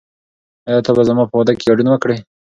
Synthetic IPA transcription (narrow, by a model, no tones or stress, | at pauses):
ajɑt̪ʰabazamɑpəwad̪akeɡɑɖunawəkɽej